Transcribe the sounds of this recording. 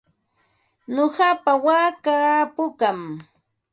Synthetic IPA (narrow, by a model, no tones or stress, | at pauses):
noɢɑpawaːkapʊkam